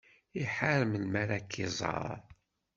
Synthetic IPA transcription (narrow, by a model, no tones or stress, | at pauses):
iħaɾəmlmæɾakʰːizˤɑ̰ɾˤ